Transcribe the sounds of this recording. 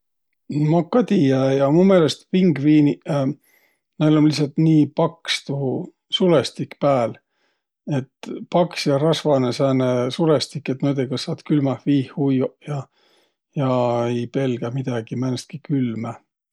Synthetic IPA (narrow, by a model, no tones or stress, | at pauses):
mɑkːɑt̪ʲijæjɑmume̞ːlest̪piŋɡviːni | nelonlisɑlt̪niːpɑkst̪uhu | sulest̪ikpæːl | e̞t̪ːˑpɑksjɑrɑsvɑnesæːnesulest̪ikːˑet̪ːmoːd̪̥ekɑsɑːt̪kylmɑhviːhhujjɑ | jɑejpe̞lɡ̥æmid̪̥ɑɡ̥imænst̪̚kikylmæ